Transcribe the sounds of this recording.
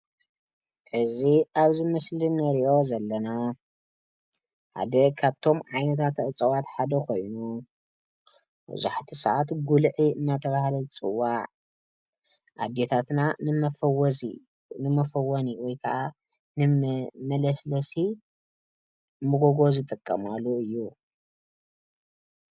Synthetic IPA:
ħɨziʔaβzɨmɐslinɐɾiʔo̞zɐlːɐna | ħa̰d̪ɐkʰaβt̪ʰo̞mʕajnɐt̪ʰat̪ɨt͡sʼɐwat̪ħad̪ɐkʰo̞jnu | bɐ̰zuħt̪ʰisaʕat̪ɡulʕiɨnːat̪ʰɐβahalɐlt͡sʼɨ̰wːaʕ | ʔa̰d̪et̪ʰat̪nanɨmɐfɐwzi | nɨmɐfɐwoniwɔjkʰɐʔa | nɨmɐlɐslɐsi | mɨɡo̞ɡo̞zɨt̪ʼɨkʼːɐmalːuɨjːu

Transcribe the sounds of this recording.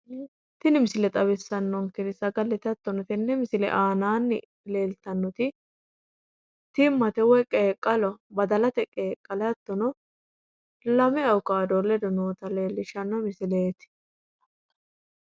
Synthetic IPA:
t̪ɪnɪmɪsɪlɛt̪ʼɐβɛsːɐnːɔŋkɪnɪsɐɡɐlːɛt̪ɐt̪ːɔnɔt̪ɪnːɛmɪsɪlɛ̰ʔaːnaːnːɪ̰ | le̞ːlt̪ɐnːɔt̪ɪ | t̪ɪmːɐt̪ɛwɛkʼeːkʼːɐlɔbɐd̪ɐlɐt̪ɛkʼeːkʼːɐlɐt̪ːɔnɔ | lɐmɛɐwʊkaːd̪ɔlːɛd̪ɔnoːt̪ɐleːlːɪʃɐnːɔmɪsɪleːt̪ɪ̥

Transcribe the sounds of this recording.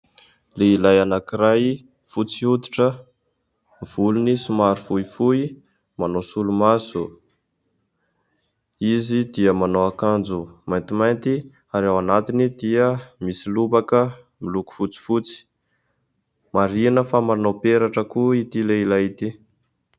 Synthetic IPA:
leilajanakiɾaj | fut͡siut̪i̥ʈ͡ʂə | v̥ulunisumaɾifuifui | manosulumasu | izid̪iəmanoakand͡zumajnt̪imajnt̪i | aɾawanat̪inid̪iəmisilubakə | miluku̥fut͡si̥fut͡si̥ | maɾinəfamaɾnopeɾaʈ͡ʂəkuit̪ileilajit̪i

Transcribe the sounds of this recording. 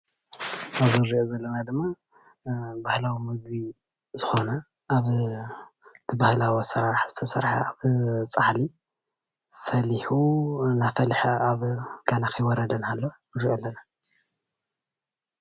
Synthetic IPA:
ʔaβzɨɾiʔozɐlːɐnad̪ɨmːa | bahlawimɨɡ̚bi | zɨxo̞nɐ | ʔːβ | b̥ɨbahlawosɐɾaɾħz̥ɨt̪ʰɐsɐ̰ɾħa̰aβt͡sʼaħli | fɐliħunafɐlħaaβɡ̥anakʰɨjwɔɾɐd̪ɐnalːonɨɾiʔolːɐna

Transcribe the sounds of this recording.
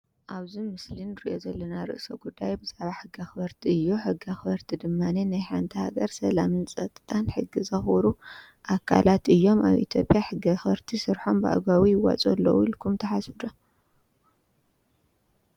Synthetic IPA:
ʔaβzimɨslinːɨɾḭʔo̞zɐlːɐnaɾɨ̰ʔsɐɡud̪ːajbɨzaʕβaħɨɡːaxɨβɐɾt̪ʰiɨjːuħɨɡaxɨβɐɾt̪ʰid̪ɨmːanenajħant̪ʰiha̰ɡɐɾsɐlamɨnsʼɐt̪ʼt̪ʰʼanħɨɡːizɐxuɾu | ʔakʰa̰lat̪ɨjːo̞ma̰βʔḭt̪ʰjo̞̰pʼjaħɨɡɐxβɐɾt̪ʰisɨɾħo̞mba̰ʔa̰ɡawijɪwa̰t͡sʼolːo̰wuilkʰumt̪ʰɐħasɨd̪o

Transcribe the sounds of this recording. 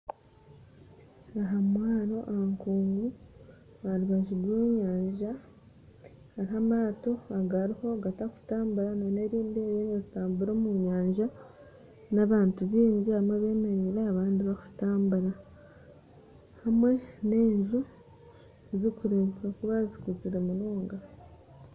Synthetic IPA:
aɦamwaːɾo̞ʔahaŋkuːŋɡu | βaɾiβaʒiɡweːɲaːɲʒa | haɾihamaːto̞aɡaɾiho̞ɡataku̥taːmbuɾanone̞ɾiːndejeŋɡezitaːmbuɾo̞ːmuɲaːɲʒa | naβaːntuβiːɲɟiamweβe̞ːmeɾiɾeaβaːndiβaku̥taːmbuɾa | hamwe̞ne̞ːɲʒu | ezikuɾeːmpakuβazikut͡siɾe̞munoːŋɡa

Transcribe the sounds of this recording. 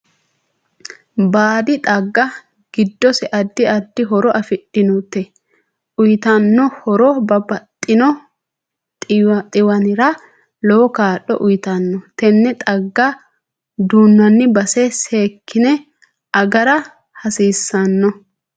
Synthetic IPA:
baːd̪ɪt̪ʼɐɡːɐ | ɡ̥ɪd̪ːɔsɛʔɐd̪ːɪɐd̪ːɪɦɔɾɔʔɐfɪᶑɪnut̪ːɛ | ʔʊjɪt̪ɐnːɔhɔɾɔbɐbɐt̪ʼːɪnɔ | t̪ʼɪwɐnɪɾɐ | lɔwɔkaːɗɔ̰ʔʊjɪt̪ɐnːɔt̪ɛnːɛt̪ʼɐɡːɐ | d̪uːnːɐnːɪbɐsɛseːkʰːɪnɛ | ɐɡɐɾɐ | hɐsiːsːɐnːɔ

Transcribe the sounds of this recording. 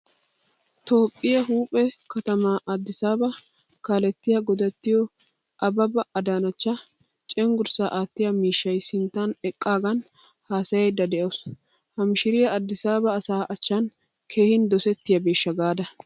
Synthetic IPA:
t̪o̞ːpʼːɪjɐɦuːpʼːɛkɐt̪ɐmaʔɐd̪ːɪsaːbɐ | kaːlɛt̪ːɪjɐɡɔd̪ɐt̪ːɪjɔ | ʔɐbɐbɐɐd̪aːnɐt͡ʃːɐ | t͡ʃʼɛŋɡʊɾsaːʔaːt̪ːɪjɐmiːʃːɐjsɪnt̪ːanɛkʼːaːɡɐn | haːsɐjɐjd̪ɐd̪ɛʔos | hɐmʃɪɾɪjɐɐd̪ːɪsaːbɐːsaːʔɐt͡ʃːɐn | kʰe̞ːhɪnd̪ɔsɛt̪ːɪjɐbeːʃːɐɡaːd̪ɐ

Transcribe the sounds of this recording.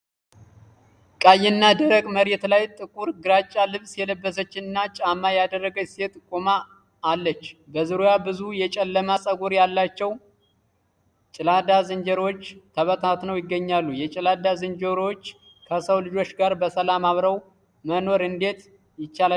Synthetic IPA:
kʼajːɪnːad̪əɾəɡʼməɾet̪lajt̪ʼɨkʼuɾɡɨɾat͡ʃʼːalɨβsjɛləbːəsət͡ʃːɪnɨnːat͡ʃʼamːajad̪ərːəɡəset̪ʼkʼːomaː | lːət͡ʃːbəzɨɾojabɨzujɛt͡ʃʼɛlːəmasʼəɡuɾjalːat͡ʃːɛw | t͡ʃʼɪlad̪azɨnd͡ʒəɾot͡ʃːt̪ʰəβət̪ʰat̪nəwjɪɡːəɲːalːujɛt͡ʃʼɪlad̪azɨnd͡ʒəɾo̞t͡ʃː | kʰəsəwlɨd͡ʒo̞t͡ʃɡaɾbəsəlamaβɾəw | məno̞ɾɨnd̪e̞t̪ | jɪt͡ʃːala

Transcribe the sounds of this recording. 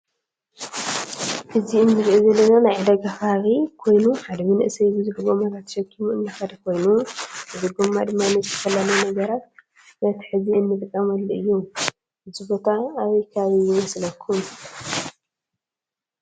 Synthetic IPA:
ħɨziɨnːɨɾʔizɐlːɐnanajʕɨd̪ɐɡafaβikʰo̞jnuħad̪ɐmɨnɨʔsɐjzɨzɨħɨβo̞maβat̪ʰʃɐkʰːimuʔɨnːaxad̪ɐkʰo̞jnuʔɨzɨɡomad̪ɨmːaɨnɐt̪tʰɐfɐlːɐlujnɐɡɐɾat̪̚ | nɐt̪ʰi̥ħɨziɨnːɨt̪ʼɨkʼːɐmɐlːɨjːu | ɨzɨbo̞t̪ʰaːβɐjkʰaβaβijɪmɐslɐkʰːum

